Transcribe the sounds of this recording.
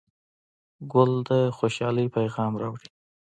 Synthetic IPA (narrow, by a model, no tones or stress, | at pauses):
ɡʊld̪əxoʃɑləjpajɣɑmɾɑwɽi